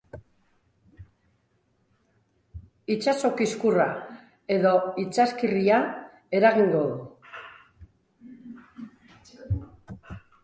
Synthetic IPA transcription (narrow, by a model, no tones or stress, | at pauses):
it͡ʃaso̞kiskura | e̞ðo̞it͡saskiria | e̞ɾaɣ̞iŋɡo̞ðu